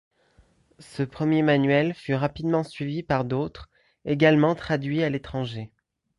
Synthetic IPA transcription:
səpχəmjemanɥɛlfyʁapid̪mɑ̃sɥivipaʁd̪ot̪χ | eɡalmɑ̃t̪χad̪ɥialet̪χɑ̃ʒe

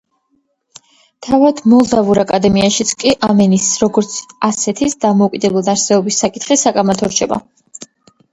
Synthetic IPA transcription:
t̪ʰavad̪mɔlˠd̪avuɾakʼad̪ɛmiaʃit̪sʰkʼiʔamɛnisɾɔɡɔɾt̪sʰasɛt̪ʰisd̪amɔukʼid̪ɛbɛlˠd̪aɾsɛɔbisːakʼit̪ʰχisakʼamat̪ʰɔɾt͡ʃʰɛba̰

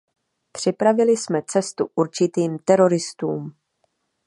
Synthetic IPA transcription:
pr̝̥ɪpɾavɪlɪsmɛt͡sɛst̪ṵʔuɾt͡ʃɪt̪iːmt̪ɛɾo̞ɾɪst̪uːm

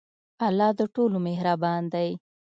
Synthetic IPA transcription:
alːɑd̪əʈolomehɾabɑnd̪aj

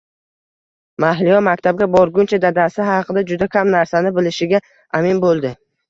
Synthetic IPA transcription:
maɦlijɒmakʲt̪ʰab̚ɡʲabɒɾɡʲʊnt͡ʃʰad̪ad̪asɪɦɑqʰɨd̪ad͡ʒʊd̪akʲʰamnaɾsanɪbɪlɪʃɪɡʲa | amɪnbolˠd̪ɪ

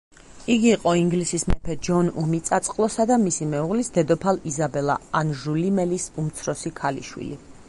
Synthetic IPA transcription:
iɡiːqʼɔiŋɡlisismɛpʰɛd͡ʒɔnumit̪sʼat̪sʼqʼlˠɔsad̪amisimɛuʁlisd̪ɛd̪ɔpʰalizabɛlˠa̰anʒulimɛlisumt̪sʰɾɔsikʰalḭʃwḭlḭ

